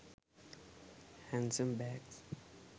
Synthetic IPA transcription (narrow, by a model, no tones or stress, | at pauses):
hæ̃nsə̃mbæɡs